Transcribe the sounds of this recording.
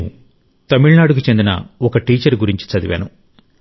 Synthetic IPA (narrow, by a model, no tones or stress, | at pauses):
t̪ɐmiɭnaːɽuk̬ut͡ʃe̞nd̪inɐ̰ɔkɐʈiːt͡ʃɐɾɡuɾiɲt͡ʃi̥t͡sɐd̪iʋa̰ːnṵ